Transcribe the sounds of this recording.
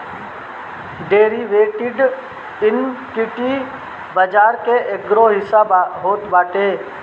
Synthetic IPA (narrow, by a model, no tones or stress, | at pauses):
ɖeːɾiʋeːʈɪɖ | ɪnkɪʈi | bəd͡ʒaːɾkeʔeɡɾoɦɪsabɦoːt̪baːʈeː